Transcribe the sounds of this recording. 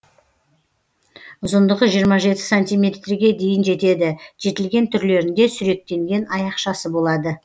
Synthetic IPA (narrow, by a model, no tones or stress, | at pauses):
ʊzənd̪əʁəʒijəɾmɑʒe̞t̪ɪ̥sanʲt̪ijmʲe̞t̪riɡʲe̞d̪e̞jɪnʒe̞t̪e̞d̪ɪʒ̥e̞t̪ɪlɡʲe̞nt̪ʰʏɾle̞ɾɪnd̪e̞sʏɾe̞k̚t̪e̞ŋɡʲe̞nɑjɑqʃɑsəbo̞lˠɑd̪ə